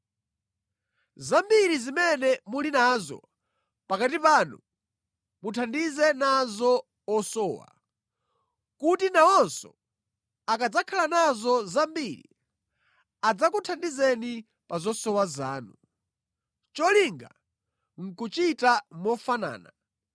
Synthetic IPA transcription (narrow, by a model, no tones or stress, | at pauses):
zambiɾizimɛnɛmulinaːzɔ̰ | pakat̬ipaːnṵ | mutʰandizɛnazɔ | ɔsɔːwa̰ | kutinaɔnsɔ | akad͡zakʰalanazɔzambiɾḭ | ad͡zakutʰandizɛni | pazɔsɔwazaːnu | t͡ʃɔliŋɡa̰ | ŋ̩kut͡ʃitamɔfana̰ːna